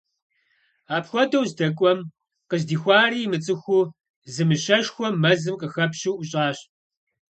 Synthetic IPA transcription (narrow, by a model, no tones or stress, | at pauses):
aːpxʷɔdɐwzdɐkʷʼɔm | qəzdiːxʷɑːriːmɨt͡sʼɨxʷuː | zɨmɨɕɐʃxʷɔmːɐzɨmqəxɐpɕuːʔʊɕʼaːɕ